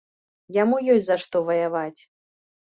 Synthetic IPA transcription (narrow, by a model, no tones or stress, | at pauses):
jamujɔsʲzaʂt̪ɔvɐjavat͡sʲ